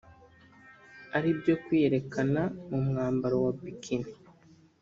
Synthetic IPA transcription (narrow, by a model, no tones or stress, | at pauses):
aɾibjo̞kwieɾe̞kanamumŋaːmbaɾowabikʰini